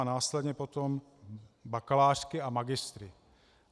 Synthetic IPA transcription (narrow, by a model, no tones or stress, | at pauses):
anaːslɛd̪ɲɛpot̪om | bakalaːrkɪamaɡɪst̪ɾɪ